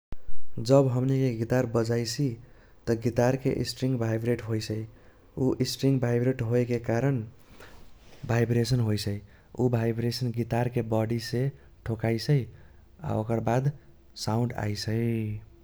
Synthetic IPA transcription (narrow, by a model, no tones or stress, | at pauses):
d͡ʒəbɦəmnikeɡit̪aɾbəd͡ʒajt͡ʃʰi | t̪ʌɡit̪aɾkḛʔḭsʈɾiŋɡbʱajbɾeʈɦojsʰəj | uʔisʈɾiŋɡbʱajbɾeʈɦoekekaɾən | bʱajbɾesənɦojt͡ʃʰəj | ubʱajbɾesənɡit̪aɾkebɔɽise | ʈʰokajsʰəj | a̰okəɾbad̪ | saũɳɖa̰jsʰəj